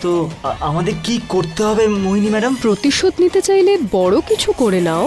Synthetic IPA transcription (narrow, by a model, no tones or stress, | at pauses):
t̪oamad̪eɾkikoɾt̪eɦɔbemoɦinimɛɖampɾot̪iʃod̪nit̪et͡ɕajlebɔɽokit͡ɕʰukoɾenao